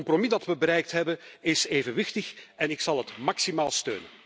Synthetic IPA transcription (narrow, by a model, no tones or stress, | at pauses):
mpromidɑtʋəbəɾɛjk̚tɦɛbənɪseːvənʋɪxtəxɛnɪksɑlˠɦətmɑksimaːlˠstø̰ːnə